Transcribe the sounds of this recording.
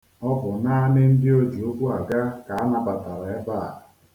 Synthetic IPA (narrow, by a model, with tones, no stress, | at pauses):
ɔ˦bʊ˨na˦a˦nɪ˦n̩˦dɪ˦o˦d͡ʒu˨o˦ɡʷu˦a˨ɡa˦ka˨a˦na˦ba˨ta˨ɾa˨e˦ba˦˨